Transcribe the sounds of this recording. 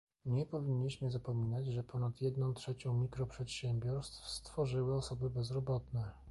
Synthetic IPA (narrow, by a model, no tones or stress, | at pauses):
ɲɛpɔvʲiɲːiɕmɘzapɔmʲinad͡ʑʐɛpʰɔnat̪jɛd̪nɔ̃w̃t̪ʂɛt͡ɕɔ̃w̃mʲikɾɔpʂɛt̪ɕɛmbʲjɔɾst̪fst̪fɔʐɘwɘɔsɔbɘbɛzɾɔbɔt̪nɛ